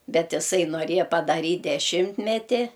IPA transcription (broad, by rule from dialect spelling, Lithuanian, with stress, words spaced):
ˈbʲɛt ɪˈsɐɪ noːˈrʲeːjɛ pɐdɐˈrʲiːtʲ dʲɛˈʃʲɪmʲtʲmʲɛtʲɪ